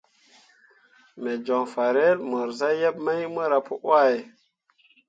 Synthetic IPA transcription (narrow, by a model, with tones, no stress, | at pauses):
me˨d͡ʒɔ˨ŋfa˨ɾe˦lmə˨ɾza˦je˦p̚ma˦jmə˦ɾa˨pu˦ʔwa˦˨j